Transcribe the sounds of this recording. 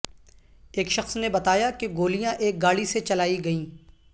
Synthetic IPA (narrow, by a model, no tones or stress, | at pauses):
eːkʃɐxsnebɐt̪aːjakeɡoːlijãʔeːk̚ɡaːɽiset͡ʃɐlaːiɡɐĩː